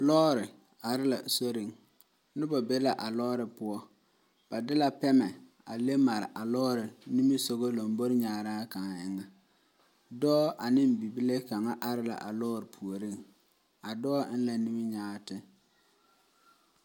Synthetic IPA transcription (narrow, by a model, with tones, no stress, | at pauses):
lɔː˦ɾɪ˨ | a˨ɾɪ˦la̰˨so˦ɾi˨ŋ | nɪ˦ba˨be˦la˨ʔa˨lɔː˦ɾɪ˨pʊ˦ɔ˦ | b̥a˨dɪ˦la˨pɛ˦mɛ˨ | a˨le˦ma˨ɾɪ̰˨ʔa˨lɔː˦ɾɪ˨ni˦mi˦so˨ɣo˦lo˨mbo˦ɾɪ˦ɲaː˨ɾaː˦ka˨ŋa˨ɪ˦ŋa˨ | dɔː˦ʔa˨nɪ˦m˨bi˨bi˦le˦ka˨ŋa˦ʔa˨ɾɪ˦la̰˨ʔa˨lɔː˦ɾɪ˨pʰu˨o˨ɾi˦˨ŋ | a˨dɔː˦ɪ˦n˦la˨ni˦mi˦ɲaː˦tɪ˦